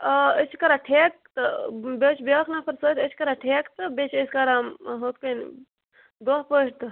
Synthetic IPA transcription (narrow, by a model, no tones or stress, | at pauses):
əət͡ʃʰkɐɾaʈʰeːk̚t̪ɨbet͡ʃʰbokʰnapʰɐɾsoːt̪ət͡ʃʰkɐɾaʈʰeːkt̪ɨbeːt͡ʃʰeskaɾamɦoːt̪̚kən̰ | d̪oːɦpəːʈt̪ɨ